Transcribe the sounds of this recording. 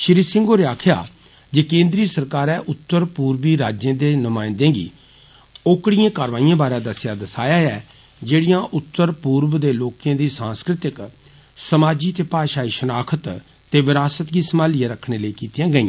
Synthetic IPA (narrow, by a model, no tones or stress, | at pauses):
ʃɪɾiːsɪ̃ŋɡoːɾeːaːkʰja̰ː | d͡ʒeːkẽːnd̪ɾiːsəɾkaːɾɛːʔʊt̪ːəɾpuːɾʋiːɾaːd͡ʒjẽːd̪eːnʊmaːɪ̃nd̪ẽːɡḭː | oːkɽɪjãːkaːɾʋaːijãːbaːɾãːd̪əsjaːd̪əsaːjaːɛː | d͡ʒeːɽɪjãːʔʊt̪ːəɾpuːɾʋd̪eːloːkjãːd̪iːsãːnskɾɪt̪ɪk | səmaːd͡ʒiːt̪eːpaːʃaːiːʃənaːkʰət̪ | t̪eːʋɪɾaːsət̪ɡiːsəmaːlɪjãːɾəkʰɽ̃eːləiːkiːt̪ijãːɡəĩãː